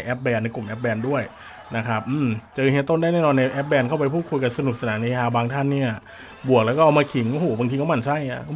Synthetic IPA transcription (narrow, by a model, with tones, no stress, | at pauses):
jʔɛ˦˥p̚bɛː˧na˧jku˨˩mʔɛː˦˥p̚bɛː˧ndu˥˩əj | na˦˥kʰa˦˥p̚ʔɯː˧˩mt͡ɕɤː˧hi˨˦˥t̪o˥˩nda˥˩jnɛː˥˩nɔː˧nːa˧jʔɛː˦˥p̚bɛː˧nkʰa˥˩wp̬a˧jpʰu˥˩kʰu˧jka˧nsa˧nu˨˩k̚sa˧naː˩˦na˧e˧lʰaː˧baː˧ŋt̪ʰa˥˩nːiː˥˩ʔa˩ | bu˨˩ək̚lɛ˦˥wkɔ˥˩ʔa˧wmaː˧kʰi˩˦ŋʔo˧hoː˨˦ba˧ŋt̪i˧ka˦˥wma˧˩nsa˥˩ja˧˩˧